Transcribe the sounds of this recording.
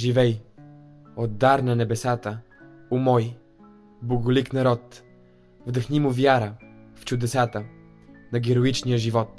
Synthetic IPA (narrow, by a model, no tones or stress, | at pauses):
ʒivɛj | od̪ːaɾnɐnɛbɛsat̪ə | umɔj | boɡʊliknɐɾɔt̪ | vd̪əxnimʊvjaɾəft͡ʃʊd̪ɛsat̪ə | nɐɡʲɛɾʊit͡ʃnijəʒivɔt̪̚